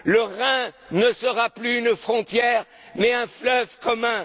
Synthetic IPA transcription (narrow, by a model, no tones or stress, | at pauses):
ləʁɛ̃nəsəʁaplyːnfχɔ̃t̪jɛːʁ | mɛɛ̃flœvkɔmɛ̃